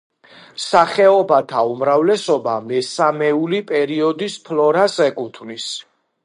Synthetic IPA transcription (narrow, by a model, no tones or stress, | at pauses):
msaχɛɔbat̪ʰaumɾavlɛsɔbamɛsamɛulipʼɛɾiɔd̪ispʰlɔɾasɛkʼut̪ʰvnis